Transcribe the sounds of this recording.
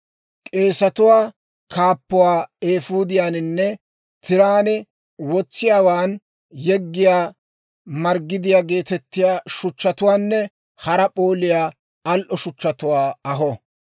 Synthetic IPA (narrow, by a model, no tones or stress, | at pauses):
kʼe̞ːsɐt̪ʊwaː | kaːpːʊwaːeːfuːd̪ɪjaːnɪnːɛ | t̪ɪɾaːnɛ | wɔt͡sːɪjaːwaːn | jɛɡːɪjaː | mɐɾɡːɪd̪ɪjaːɡe̞ːt̪ɛt̪ːɪjaːʃʊt͡ʃːɐt̪ʊwaːnːɛ | hɐɾɐpʼo̞ːlɪjaː | ɐlʔɔʃʊt͡ʃːɐt̪ʊwaːɐɦɔ